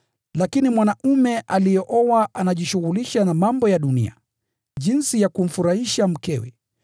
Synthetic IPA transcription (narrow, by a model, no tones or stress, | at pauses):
lakinimwanaumɛʔalijɔʔɔwaʔanaʄiʃuɣuliʃanamambɔjaɗunḭa̰ | ʄinsijakum̩fuɾahiʃam̩kɛwɛ̰